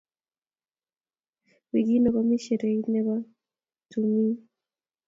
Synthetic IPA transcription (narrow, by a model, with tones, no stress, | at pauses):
wi˨ɡi˦nɔ˨ka˦mi˦ʃɛ˨ɾe˨i˦nɛ˦βa˦ | tu˨mi˦